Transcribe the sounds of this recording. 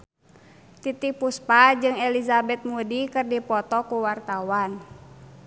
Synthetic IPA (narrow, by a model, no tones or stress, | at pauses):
t̪it̪ik̚puspad͡ʒɨŋɛlizabɛt̪̚mudikɨrdipɔt̪ɔkuwart̪awan